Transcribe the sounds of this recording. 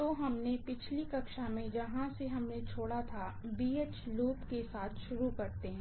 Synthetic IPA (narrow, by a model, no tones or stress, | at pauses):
t̪oɦɐmnepɪt͡ʃʰlikɐkʃamẽd͡ʒɐɦãseɦɐmnet͡ʃʰoːɽat̪ʰabiːeːt͡ʃluːpkesaːt̪ʰʃʊɾukɐɾt̪eɦɛ̃ː